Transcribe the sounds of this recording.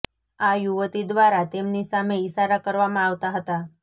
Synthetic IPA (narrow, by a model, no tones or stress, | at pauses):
ajuʋət̪id̪ʋaɾat̪emnisameisaɾakəɾʋamãaʋt̪aɦət̪a